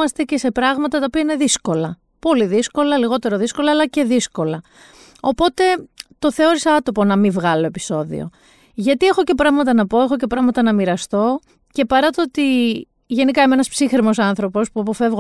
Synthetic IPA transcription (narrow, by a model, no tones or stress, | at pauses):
ɐst̪e̞ce̞se̞pɾɐɣmɐt̪ɐt̪ɐopiɐine̞ðisko̞lɐ | po̞liðisko̞lɐliɣo̞t̪e̞ɾo̞ðisko̞lɐːlɐce̞ðisko̞lɐ | o̞po̞t̪e̞t̪o̞θe̞o̞ɾisɐt̪o̞po̞nɐmivɣɐlo̞epi̥so̞ðḭo̞̰ | ʝɐt̪ie̞xo̞ce̞pɾɐɣmɐt̪ɐnɐpo̞e̞xo̞ce̞pɾɐɣmɐt̪ɐnɐmiɾɐst̪o̞ | ce̞pɐɾɐt̪oot̪i | ʝe̞nikɐimeenɐspsixɾimo̞sɐnθɾo̞po̞spuɐpo̞fe̞vɣ